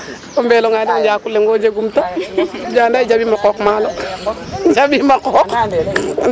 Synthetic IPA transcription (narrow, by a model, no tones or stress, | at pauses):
umbɛloŋandad͡ʒaːkuleŋɡod͡ʒeɡumtad͡ʒandaid͡ʒabimakɔkmaːlɔ | d͡ʒabimakɔk